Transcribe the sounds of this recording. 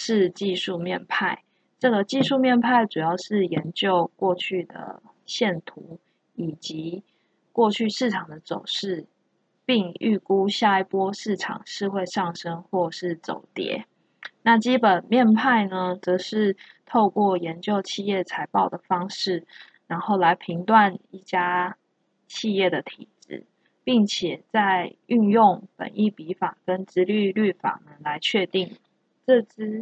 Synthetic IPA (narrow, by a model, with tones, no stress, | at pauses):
ʂɻ̩˥˧t͡ɕi˥˧ʂu˥˧mjɛ˥˨npʰa˥˩ɪ | ʈ͡ʂɤ˥˩ɡə˨˩t͡ɕi˥˧ʂu˥˧mjɛ˥˧npʰa˥˩ɪʈ͡ʂu˨˩jɑ˥˧ʊʂɻ̩˥˩jɛ˨˦nt͡ɕjo˥˧ʊkwɔ˥˧t͡ɕʰy˥˩d̪ə̰˩ | ɕjɛ˥˩nt̪ʰu˧˥˦ | i˨˩t͡ɕi˧˦ | kwɔ˥˧t͡ɕʰy˥˧ʂɻ̩˥˩ʈ͡ʂʰɑ˨˩ŋd̪ə˦t͡so˨˩ʊʂɻ̩˥˩ | pi˥˧ŋy̰˥˨˩ku˥ɕja˥˧i˨˩pwɔ˥ʂɻ̩˥˩ʈ͡ʂʰɑ̰˨˩ŋʂɻ̩˥˧xwe˥˧ɪʂɑ˥˩ŋʂə˦ŋxwɔ˥˧ʂɻ̩˥˩t͡so̰˨˩ʊt̪jɛ̰˧˥˦ | na˥˨t͡ɕi˥pə˨˩nmjɛ˥˧npʰa˥˩ɪnə˧t͡sɤ˧˥ʂɻ̩˥˧ | t̪ʰo˥˧ʊkwɔ˥˩jɛ˨˦˥nt͡ɕjo˥˧ʊt͡ɕʰi˥˧jɛ˥˩t͡sʰa˧˥ɪpɑ˥˩ʊd̪ə˩fɑ˥ŋʂɻ̩˥˩ | ɻa˧˥nxo˥˩ʊla˧˥ɪpʰi˧˥ŋt̪wa˥˧ni˥˩t͡ɕja˥ | t͡ɕʰi˥˧jɛ˥˩d̪ə˩t̪ʰḭ˨˩˦ʈ͡ʂɻ̩̰˥˩ | pi˥˩ŋt͡ɕʰjɛ˨˩t͡sa˥˧ɪy˥˧njʊ˥˩ŋpə̰˨˩ni˥˩pi˧˥fa˨˩kə˦nʈ͡ʂɻ̩˧˥ly˥˧ly˥˩fa̰˨˩nə˩˦la˧˦ɪt͡ɕʰɥɛ˥˧t̪i˥˩ŋ | ʈ͡ʂɤ˥˧ʈ͡ʂɻ̩˥